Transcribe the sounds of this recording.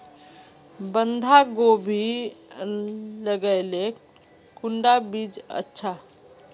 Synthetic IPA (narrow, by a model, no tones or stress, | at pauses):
bənd̪ʱaɡobʱi | ləɡəɪle | kuɳɖabid͡ʒə̰tːʃʰa